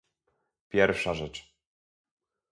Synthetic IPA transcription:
pʲjɛɾfʂaʐɛt͡ʂ

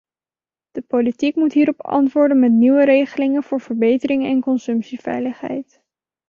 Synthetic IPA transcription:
d̥əpolitikmutɦiːɾɔpɑ̰ntʋʊːɹdənmɛtniwəɾejχəlɪŋənv̥ʊːɹvəɹbejtəɾɪŋɛnkɔnsɵmpsivɛ̰jləχɦɛ̰jt

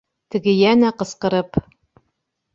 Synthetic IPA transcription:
t̪ɘ̆ɡɘjænæqɤ̆sqɤ̆ɾɤp

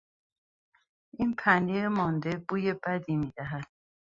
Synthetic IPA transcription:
ʔinpʰænd̪emɒnd̪e̞buːje̞bæd̪iːmiːd̪̥æɦæd̪̥̚

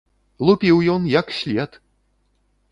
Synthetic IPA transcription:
lˠupʲiwjɔnjɐksʲlʲɛt̪

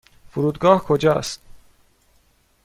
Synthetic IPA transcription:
fuɾuːd̪ɡɒːhkʰod͡ʒɒ̰ːst̪

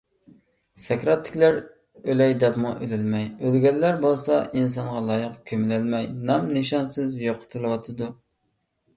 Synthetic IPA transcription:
sɛkʲɾɑt̪ʰːɪ̥kʲlæɾ | ølɛjd̪ɛpmuʔølɪlmɛjølɡʲɛlːæɾbolˠsɑʔins̬ɑɴʁɑlˠɑːjəqkʲʰømɪlɪlmɛjnɑmnɨʃɑnsɨzjoqʰʊ̥t̪ʰɨlˠɨwɑt̪ʰɨd̪u

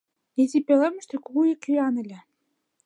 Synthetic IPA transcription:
ezʲipelemʲɘ̆ʃt̪ĕkuɣuekyɑnĕlʲĕ

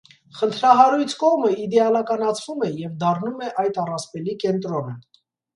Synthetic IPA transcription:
χənt̪ʰɾɑɦɑɾujt͡sʰkɔʁməid̪ɛɑlɑkɑnɑt͡sʰvumɛjɛvd̪ɑrnumɛʔɑjt̪ɑrɑspɛlikɛnt̪ɾɔnə

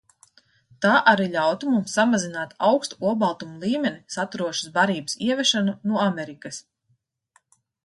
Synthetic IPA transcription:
t̪aːʔaɾiʎʲawt̪umumsːamazinaːt̪awkst̪uuɔbalˠt̪umulˠiːmʲɛnisat̪uɾuɔʃḁsbaɾiːbəsiɛvɛʃanunuɔamɛɾikas

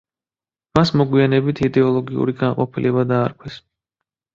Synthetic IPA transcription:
masmɔɡwianɛbit̪ʰid̪ɛɔlˠɔɡiṵɾiɡanqʼɔpʰilʔɛbad̪aːɾkʰwɛs

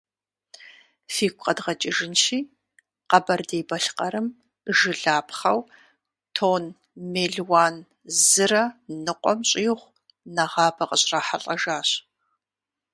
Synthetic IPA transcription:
fiːkʷʼqʼɐdʁɐt͡ʃʼɪʒɪnʃiː | qɐbɐrdeːbɐɬqʼɐɾɨm | ʒɨɮaːpχɐw | tʰoːn | meːɮwaːn | zɨrɐnːɨqʷʼɔmɕʼɪjʁʷ | nɐʁɑːbɐqʼəɕʼraːħaɬʼɐʒaːɕ

